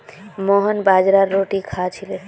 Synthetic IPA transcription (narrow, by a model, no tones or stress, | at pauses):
mɔɦɔnbad͡ʒɾaɾːoʈikʰat͡ʃʰilen